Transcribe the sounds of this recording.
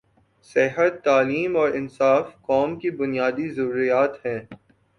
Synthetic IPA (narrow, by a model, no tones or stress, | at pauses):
sɪɦət̪ːaːliːmɔːɾɪnsaːfkɔːmkibʊnijaːd̪izɐɾuːɾijaːt̪hɛ̃ː